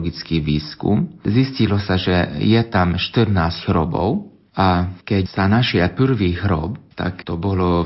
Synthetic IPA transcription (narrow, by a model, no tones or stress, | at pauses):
ɡit͡skiːʋiːskṵmziscilɔsaʒɛjɛt̪amʃt̪ərnaːsɟɦɾɔbɔ̰ʊ | ʔakɛcsanaʃɪapr̩ʋiːɣɾɔ̰bt̪a̰kt̪ɔbɔlɔ